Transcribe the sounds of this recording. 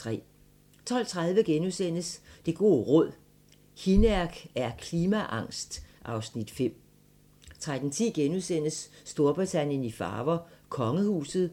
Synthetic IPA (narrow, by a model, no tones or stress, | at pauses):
t͡sʰʁɛ̰ː | t͡sʰɒ̽l̰t͡sʰʁað̞ˠʋəɡ̥enusen̰əsd̥e̝ɡ̥o̝ːʁɔ̽ð̞̰ˠ | hinæɐɡ̥æɐkʰliːmæʔɑ̈ŋ̰sd̥ʔɑ̈ʊsnid̥fem̰ | t͡sʰʁad̥n̩t͡sʰḭːɡ̥enusen̰əsːd̥o̝ɐb̥ʁit͡sʰæn̰jənifɑ̰̈ːʋɐkʰɒ̽ŋəhṵːsð̩ˠ